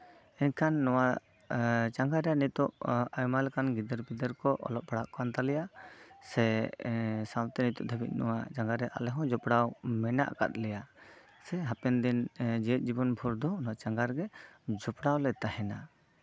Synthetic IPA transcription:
ɛɲkʰanːɔwa | t͡ʃaŋɡaɾɛjanit̪ɔʔajmalɛkanɡid̪əɾbid̪əɾkɔʔɔ̰lɔp̚paɽaʔkant̪alɛjasɛ | sawt̪ɛnit̪ɔʔ̚d̪ʰʱəbit̪̚ˀnɔwat͡ʃaŋɡaɾɛʔa̰lɛɦɔ̃d͡ʒɔpɽawmɛna̰ʔka̰t̪̚lɛja | sɛɦapɛnd̪ind͡ʒɛɛt̪̚ˀd͡ʒibɔnbʱɔɾd̪ɔnɔwat͡ʃaŋɡaɾɡɛd͡ʒɔpɽawlɛt̪ahɛna

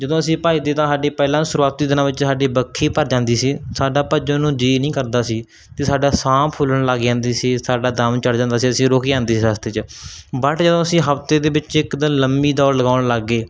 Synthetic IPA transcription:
d͡ʒəd̪õːəsĩːpaːiːd̪eːt̪ãːsaːɖiːpɛːlãːsʊɾuaːt̪iːd̪ɪnãːʋɪt͡ʃsaːɖiːbəkʰːiːpəɾd͡ʒãːnd̪iːsiːsaːɖaːpəd͡ʒ̃nũːd͡ʒiːnəĩːkəɾd̪aːsiː | t̪eːsaːɖaːsaːmpʰʊləɳlaːɡd͡ʒãːnd̪iːsiːsaːɖaːd̪əmt͡ʃəɽd͡ʒãːnd̪aːsiːəsĩːɾoːkiːãːnd̪iːsiːsaːst̪eːt͡ʃbəʈʰd͡ʒəd̪õːəsĩːɦəpt̪eːd̪eːbɪt͡ʃɪkd̪ənləmbiːd̪ɔːɾləɡaːɳləɡːeː

